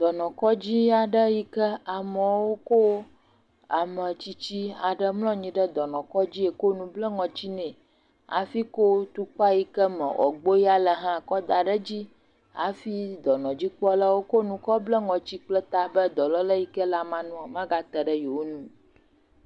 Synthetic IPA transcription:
d̪ɔ˨nɔ̃˨kɔ˦d͡ʑi˦a˨ɖə˦ji˦kə˦a˨mə̃˨wo˦ko˦ | a˨mə˨t͡ɕi˦t͡ɕi˦a˨ɖə˦mlɔ̃˦ɲĩ˨˦ɖə˦d̪ɔ˨nɔ̃˨kɔ˦d͡ʑi˦e˨ko˦nũ˦blə˦ŋɔ̃˨t͡ɕi˦nɛ̃˨ | a̰˨fi˦ko˦t̪u˦k͡pa˦ji˦kə˦mə̃˨wʔɔ̰˨ɡ͡bo˦ji˦a˨lə˨ɦã˦˨kɔ˦d̪a˨ɖə˦d͡ʑi˦ | a̰˨fi˦d̪ɔ˨nɔ̃˨d͡ʑi˦k͡pɔ˦la˦wo˦ko˦nũ˦kɔ˦blə˦ŋɔ̃˨t͡ɕi˦k͡plə˦t̪a˦bə˦d̪ɔ˨lɔ˦lə˦ji˦kə˦la˨mã˦nũ˦ɔ˨mã˦ɡa˦t̪ə˨ɖə˦jo˨wo˦nũ˦

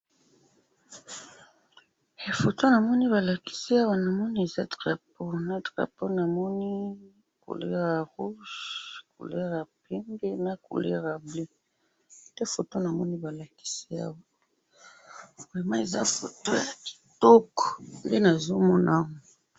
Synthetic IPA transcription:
fo˨to˦na˨mɔ˦ni˦βa˨la˨ki̥˦si˦a˦wa˦na˨mɔ˦ni˦e˨za˦dʁa˨po˦na˦tʁa̰˨po˦na˨mɔ˦ni˦ | ko̰˨lḛ˦ʁa˨ʁu˦ʒkṵ˨le˦ʁa˨pɛ˦ŋɡe˦na˦kṵ˨lḛ˦ʁa˨ble˦ | te˦fo˨to˦na˨mɔ˦ni˦ba˨la˨ki̥˦si˦a̰˦wa˨ | bʁɛ˨ma˦e˨za̰˦fo˨to˦ja˨ki̥˨tɔ˦kɔ̥˨nde˦na˨zo˦mɔ˦na˦wo˨

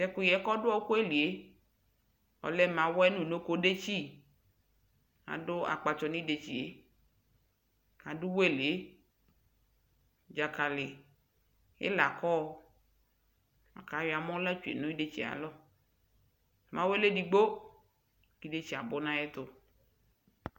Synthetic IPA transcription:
sɛ˦kʊ˦jɛ˨˦kɔ˦dʊ˦ɔ˦kʊ˦e˦li˨e˨˦ | ɔ̰˨lɛ˦mã˨wɔ˦ɛ˦nũ˦˨no˦ko˦ɖe˦t͡ʃi˦ | a̰˨dʊ˦a̰˨k͡pa˨t͡ʃɔ˨nĩ˦de˨t͡ɕi˨e˦˨ | a˨dʊ˦we˦˨le˦ | d͡ʒa˨ka˨lɪ˨ | ɪ̰˦la˨kɔ˦ | a̰˨ka˨˦wɪ˨a˨m˦ɔ̃˦la˦t͡ʃu˨ḛ˨nʊ̃˦i˦de˦t͡ɕi˨a̰˨lɔ˦˨ | mã˨˦we˦le˦di˨ɡ͡bo˦ | ki˦de˦t͡ɕi˨a˨bʊ˦nã˦ɛ˦t̪ʊ˦

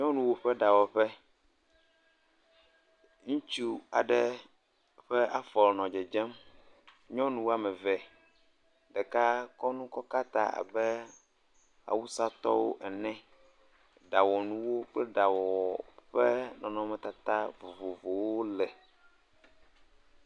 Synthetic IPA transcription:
ɲɔ̃˦nũ˨wo˦ɸɛ˦ɖa˨wɔ˨ɸɛ˦ | ŋũ˦t͡ʃu˦a̰˨ɖɛ˦ | ɸɛ˦ʔa˦fɔ˨lnɔ̃˨d͡ʒɛ˨d͡ʒɛ˦m | ɲɔ̃˦nũ˨wo˦a˦mɛ˨vɛ˨ | ɖɛ˨ka˦kɔ˦nũ˦kɔ˦ka˦t̪a̰˨a̰˨bɛ˦ | a̰˨wu˦sa˦t̪ɔ̰˦wo̰˦ʔɛ˨nɛ̃˦ | ɖa˨wɔ˨nũ˦wo˦k͡plɛ˦ɖa˨wɔ˨ɸɛ˦nɔ̃˨nɔ̃˦mɛ̃˨t̪a˨t̪a˦vo˨vo˨vo˨wo˦lɛ˨

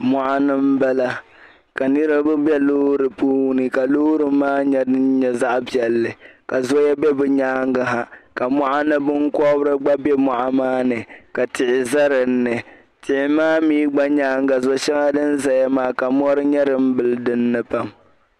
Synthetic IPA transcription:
mɔ˨ʔa˦nɨ˦m˦ba˦la˦ | ka˨nɨ˦ɾɨ˦bʊ˦bɛ˦loː˦ɾɨ˨puː˦nɨ˨ka˨loː˦ɾɨ˦maː˦ɲɛ˦dɨ˦nɲɛ˨za˦ʔbi˨ɛ˨lːɨ˨ka˨zo˦jɛ˦bɛ˦bɨ˨ɲaː˦ŋ˦ɡa˨ɦa˨ka˨mɔ˦ʔa˦nɨ˦bɨ˦ŋkɔ˦bɾɨ˦ɡ͡ba˦bɛ˦mɔ˨ʔa˨maː˦nɨ˨ka˨tʰɪ˨ʔɪ˨za˦ɾɨ˨n̩ː˦ɨ˨ | tɪ˨ʔɪ˨maː˦miː˦ɡ͡ba˦ɲaː˦ŋ˦ɡa˨zo˦ʃɛ˦ŋa˦dɨ˦n˦za˦ja˦maː˦ka˨mɔ˦ɾɨ˦ɲɛ˦ɾɨ˦m̩˦bɨ˨ldɨ˦nːɨ˦pa˨m

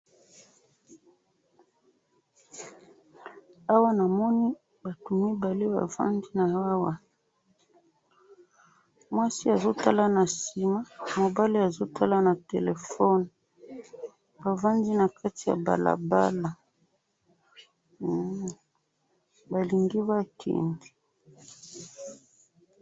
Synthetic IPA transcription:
a˦wa˦na˨mɔ˦ni˦ | ba˨tu˨mi˦ba˨le˦ba̰˨va̰˦ndi˦na˨a˦wa˦ | mwa˦si˦a˨zo˦ta˦la˦na˨si˨ma˦mo˨ba˦li˦a˨zo˦tʰa˦la˦na˨te˨le˨fɔ˦n | ba˨va˦ndi˦na˨kʰa˦ti˨ja̰˨ba̰˨la̰˨ba̰˦la˨ | ba˨li˨ŋɡi˦ba˦kʰḛ˨ndi˨

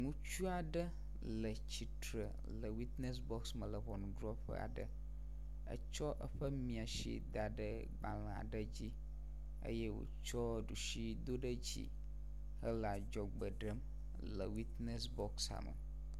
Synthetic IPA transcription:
ŋũ˦t͡ʃu˦a˨ɖə˦ | lə˨t͡ɕi˨t̪ɾə˨ | lə˨wi˦t̪ne˦s̬bɔ˦ksmə˨lə˨βɔ˨nũ˨dɾɔ˦ɸə̰˦a̰˨ɖə˨ | ə̰˦t͡ʃɔ˦ʔə˦ɸə˦mĩ˨a˨ʃḭ˦d̪a˨ɖə˦ | ɡ͡ba˨lə̃˨a̰˨ɖə˦d͡ʑi˦ | ə̰˦je˦wo̰˨t͡ʃɔ˦ɖu˨ʃi˦d̪o˦ɖə˦d͡ʑḭ˦ | hə˦lə˨a˨d͡ʒɔ˨ɡ͡bə˨ɖə˦m | lə˨wi˦t̪ne˦sbɔ˦ksa̰˨mə̰˨

